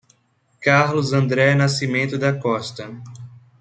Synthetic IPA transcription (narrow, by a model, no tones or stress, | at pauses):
kaɾlʊzɐ̃nd̪ɾɛnasimẽnt̪ʊd̪ɐkɔst̪ɐ